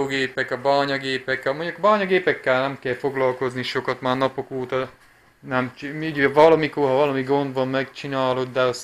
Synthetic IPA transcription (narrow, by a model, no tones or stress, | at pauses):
ɡeːpɛkɒbaːɲɒɡeːpɛkːɒmoɲɟukbaːɲɒɡeːpɛkːɛlnɛmkɛlfo̞ɡlɒlko̞zniʃo̞kɒt̪maːrnɒpokoːt̪ɒ | nɛmt͡ʃmyɟɛvɒlɒmikorɦɒvɒlɒmiɡo̞nd̪ʋɒmːɛkt͡ʃinaːlo̞d̪d̪ɛɒs